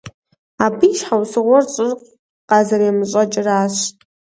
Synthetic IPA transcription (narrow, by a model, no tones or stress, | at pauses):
aːbijʃħawsɨʁʷɔrɕʼɪrq | qɑːzɐɾeːmɨɕʼɐt͡ʃʼɪraːɕ